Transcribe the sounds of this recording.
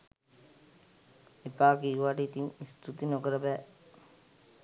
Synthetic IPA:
epaːɡiuʋaʈit̪inist̪ʰut̪inokɐɾɐbæ

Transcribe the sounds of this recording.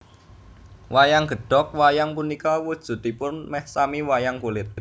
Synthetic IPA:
wajaŋɡ̥ə̤ɖ̥ɔ̤k̚wajaŋpunikawud̥ʒ̥ṳt̪̚i̤pʊnmɛhsamiwajaŋkulɪt̪̚

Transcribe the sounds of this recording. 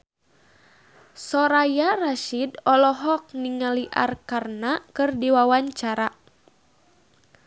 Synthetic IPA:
sɔɾajaraʃidɔlɔɦɔk̚niŋaliʔa̰rkarnakɨrdiwawaɲt͡ʃaɾa

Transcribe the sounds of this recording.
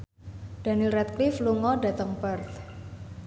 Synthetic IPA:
d̥a̤nilrɛt̪̚klifluŋɔɖa̤t̪əŋpərt̪

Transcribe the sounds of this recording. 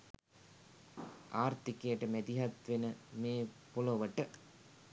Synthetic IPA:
aːrt̪ikejəʈəmæd̪iɦat̪ʋenəmeːpuloʋəʈə

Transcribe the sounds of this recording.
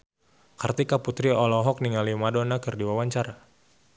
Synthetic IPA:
kərt̪ikaput̪ɾiɔlɔɦɔk̚niŋalimadonakərdiwawaɲt͡ʃaɾa

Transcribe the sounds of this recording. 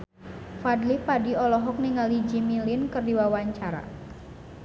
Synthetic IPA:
fadlipadiɔlɔɦɔk̚niŋalid͡ʒimilinkɨrdiwawaɲt͡ʃaɾa̰

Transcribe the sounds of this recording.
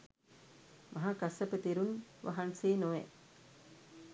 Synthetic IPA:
mʔaɦakasəpət̪eɾunʋʔa̰ɦanseːnoʋḛ

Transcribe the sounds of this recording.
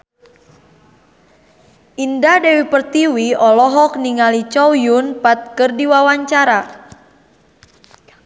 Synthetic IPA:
ʔindadɛwipərt̪iwiɔlɔɦɔk̚niŋalit͡ʃɔwjunpat̪̚kərdiwawaɲt͡ʃaɾa

